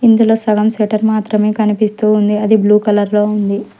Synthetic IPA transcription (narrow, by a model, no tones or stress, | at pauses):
ind̪ulo̞ːsɐɡɐmseʈɐɾmaːt̪ɾɐmeːkɐnipist̪uːnd̪iɐd̪ibluːkɐlɐɾlo̞ːund̪i